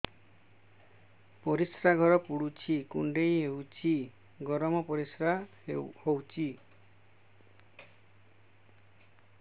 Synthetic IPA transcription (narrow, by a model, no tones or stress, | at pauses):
pɔɾisɾaɡʱɔɾɔpuɽut͡ʃʰikuɳɖejeɦut͡ʃʰi | ɡɔɾɔmɔpɔɾisɾa | ehowt͡ʃʰi